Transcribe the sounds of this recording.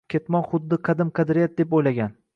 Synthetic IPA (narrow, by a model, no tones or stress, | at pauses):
kʲʰet̪mɒnχʊd̪ːɪqʰɑd̪ɪmqʰɨd̪ɾɪjat̪̚d̪epojlaɡʲan